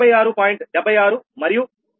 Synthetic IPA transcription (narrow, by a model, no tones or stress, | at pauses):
ɐjaːɾupaːjiɳʈɖɛbʱːɐjaːɾumɐɾiju